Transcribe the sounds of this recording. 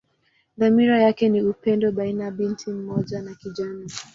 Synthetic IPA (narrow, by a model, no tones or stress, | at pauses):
ðamiɾajakɛniupɛndɔɓainaɓintʰim̩mɔʄanakiʄani